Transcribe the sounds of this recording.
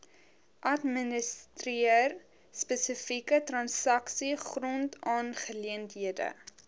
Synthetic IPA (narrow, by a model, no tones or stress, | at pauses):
ʔɐtmənəstriər | spəsəfikətrɐnsɐksiχrɔntɑːnχəliəntɦiədə̰